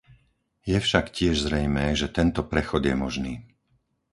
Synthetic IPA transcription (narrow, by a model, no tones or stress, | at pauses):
jɛfʃakcɪɛʒzɾɛjmɛːʒɛt̪ɛnt̪ɔpɾɛxɔd̪jɛmɔʒniː